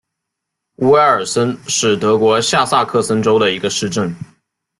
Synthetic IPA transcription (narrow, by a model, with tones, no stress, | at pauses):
u˧˥ə˞˨˩sə˥nʂɻ̩˥˩t̪ɤ˧˥kwɔ˧˥ɕja˥˧sa˥˧kʰɤ˥˩sə˥nʈ͡ʂo˥ʊd̪ə˨i˧˥ɡə˧ʂɻ̩˥˧ʈ͡ʂə˥˩n